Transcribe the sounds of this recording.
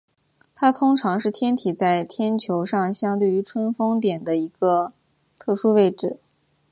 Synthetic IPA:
t̪ʰa˥t̪ʰʊ˥ŋʈ͡ʂʰɑ˧˥ŋʂɻ̩˥˩t̪ʰjɛ˥nt̪ʰi˨˩t͡sa˥˩ɪt̪ʰjɛ˥nt͡ɕʰjo˧˥ʊʂɑ˥˧ŋɕjɑ˥ŋt̪̬we˥˩ɪy˧˥ʈ͡ʂʰwə˥nfɤ˥ŋt̪jɛ˨˩nd̪ə˦i˧˥ɡə˧ | t̪ʰɤ˥˩ʂu˥we˥˧ɪʈ͡ʂɻ̩˥˩

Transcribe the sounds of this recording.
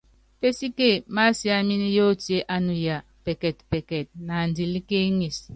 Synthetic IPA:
pe˦si˦ke˦˨ma˦si˦a˨mi˦ni˦jo˦˨ti˦e˦ʔa˦nu˨ja˨ | pɛ˨kɛ˨tpɛ˨kɛ˨t̚na˨n˨di˨li˦ke˦ŋi˨s

